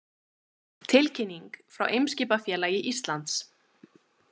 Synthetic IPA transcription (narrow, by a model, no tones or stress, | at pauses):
t̪ʰɪlcʰɪnːiŋkfɾa̰wʔejmsciːpafjɛːlaːjɪʔist̪lant̪s